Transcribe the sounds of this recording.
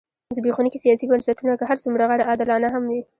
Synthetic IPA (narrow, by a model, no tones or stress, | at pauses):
zəbexunikisijɑsibansaʈunakaɦaɾsumɽaɣaɽaɑd̪ɪlɑnaɦamwi